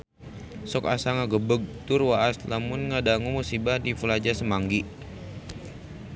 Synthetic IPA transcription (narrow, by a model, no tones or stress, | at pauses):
sɔkasaŋaɡəbəɡ̚t̪urwaaslamʊnŋadaŋumusibadifəlad͡ʒasəmaŋɡi